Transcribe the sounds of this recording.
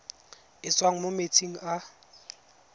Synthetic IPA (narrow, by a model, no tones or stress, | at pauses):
ɪt͡swaŋ̩momet͡sʰiŋ̩ʔa